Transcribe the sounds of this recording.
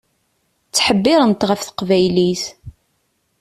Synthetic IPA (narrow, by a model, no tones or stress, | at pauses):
t͡sːħəbːɪɾˤənt̪ʁəfθə̥qvæjlis